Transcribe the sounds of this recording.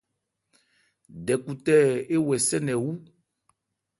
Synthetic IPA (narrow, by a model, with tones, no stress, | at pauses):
ɖɛ˨ku˨t̪ɛ˦e˦wɛ˨sɛ˦nɛ̃˨wu˦